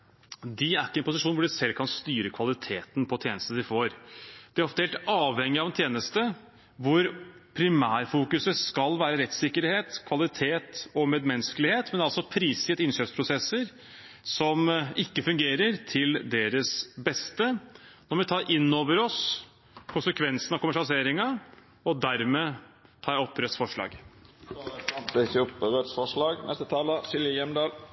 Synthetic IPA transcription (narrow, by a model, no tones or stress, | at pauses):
d̪ɪæɾɪkːəɛnpʊsɪʂuːnʋʊɖɪsɛlːkʰɑnst̪yːɾəkʰʋɑlɪt̪ʰeːt̪npʰɔt̪ʰjeːnəst̪əd̪ɪfoːɾd̪̥ɪæɾɔft̪əheːlt̪ɑːʋhɛŋːɪɑʋɛnt̪ʰjeːnəst̪ə | ʋʊɾpʰɾɪmæːɾfuːkʉsəskɑlʋæːɾəɾɛt̪sɪkːəɾheːt̪kʰʋɑlɪt̪ʰeːt̪ɔmeːd̪mɛnskəlɪheːt̪mɛnɑlsɔpʰɾiːsɪt̪ɪnɕœːpspʰɾʊsɛsːəɾ | sɔmɪkːəfʉŋɡeːɾəɾt̪ʰɪld̪eːɾəsbɛst̪ənɔɾʋɪt̪ʰɑːɾʔɪnːoːʋəɾɔs | kʰʊnsəkʰʋɛnsənɑʋkʊmæʂɑlɪseːɾɪŋɑ | ɔd̪æɾmeːt̪ʰɑːɔpːɾœt̪sfɔʂɭɑ̰ːɡ | nt̪ɪsʊpəɾœt̪sfɔʂlɑːɡnɛst̪ət̪ʰɑːləʃɪljəjɛmd̪ɑːl